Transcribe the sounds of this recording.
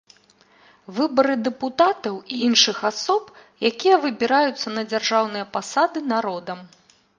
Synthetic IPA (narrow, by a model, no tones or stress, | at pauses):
vɨbɐɾɨd̪ɛput̪at̪ɐwiinʂɨxasɔpjakʲijɐvɨbʲiɾajut̪sːɐnɐd͡zʲarʐawnɨjɐpasad̪ɨnaɾɔd̪ɐm